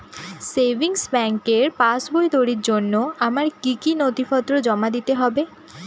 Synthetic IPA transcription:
sebʱiŋsbɛŋkeɾpasbojd̪oɾiɾd͡ʑonːoamaɾkikinot̪ifɔt̪ːɾod͡ʑɔmad̪it̪eɦɔbe

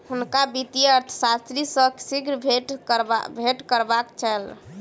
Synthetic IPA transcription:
hunkabit̪iəɾt̪ʰə̥sast̪ɾisəksiɡɾbʱeʈɾ̰bʱeʈkəɾbakt͡ʃʰɛl

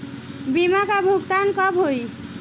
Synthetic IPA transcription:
bimakabʱukt̪ankɔbɦoj

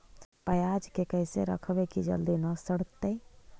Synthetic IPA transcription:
pəjaːd͡ʒkekəɪseɾə̰kʰʋekid͡ʒə̰ld̪inəsəɽ̤t̪ːe

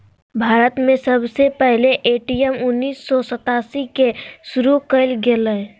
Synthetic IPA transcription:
bʱaːɾət̪mẽsəbʱsepɛɦleʔeʈijəmʊnːiːsːɔsət̪aːsikesʊɾukəɪlɡelə

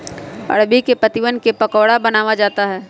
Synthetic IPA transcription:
ɐ̰ɽbikepɐt̪ɪʋənkepɐkɔːɽabɐnaːʋad͡ʒaːt̪aɦɛː

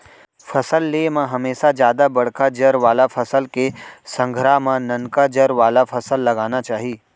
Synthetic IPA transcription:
fʰɐsəlːemãɦɐmeːʃad͡ʒjaːd̪abɐɽ̤kad͡ʒəɾʋaːlafʰɐsəlkesɐ̃ŋɡʱɾamãnɐnkad͡ʒəɾʋaːlafʰɐsəlːɐɡaːnat͡ʃaːɦiː

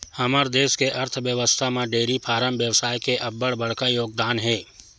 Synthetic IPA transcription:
hɐməɾd̪eːskeʔɐɾt̪ʰʋjəʋəst̪ʰamẽɖeːɾipʰaːɾəmbjəwsaːjkeʔɐbːəɽbɐɽ̤kajoːɡ̚d̪aːnɦɛː

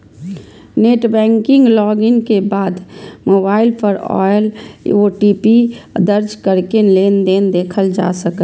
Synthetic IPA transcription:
neːʈbɛ̃ːŋkɪ̃ŋɡlɔːɡɪŋkebaːd̪moːbaːɪlpʰɔɾɔ̰ːjloʈiːpid̪əɾd͡ʒkəɾkenleːnd̪eːnd̪eːkʰəld͡ʒa̰ːsək

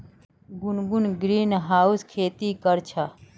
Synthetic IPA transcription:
ɡʊnɡunɡɾiːnɦaːuskʰeːt̪iːkəɾt͡ʃʰa

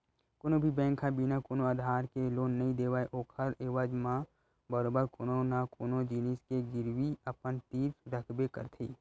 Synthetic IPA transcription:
konõbʱibɛ̃ːŋkʰãbinakoːnoəd̪ʱaːɾkeloːnːɐɦĩd̪eːʋaːeʔoːkʰəɾeːʋad͡ʒmã | bəɾoːbəɾkoːnonakoːnod͡ʒiːniskeɡɪɾwiɐpənt̪iːɾsɾəkʰbekə̰ɾt̪ʰeː

